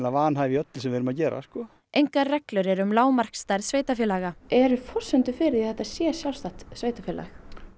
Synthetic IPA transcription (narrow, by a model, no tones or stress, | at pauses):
lavaːanɦaːɪiœt̪lɪsɛmvɪːɾʏmaðcɛːɾa̰skɔ | ʔejŋkaɾrɛklʏɾɪɾʏmlaːwmar̥kst̪ajɾsveːjt̪afjɛlaɣaɛɾʏfɔr̥sɛnt̪ʏfɪɾɪiθɛht̪asjɛsjawlst̪aht̪sveːjt̪afɛla̰x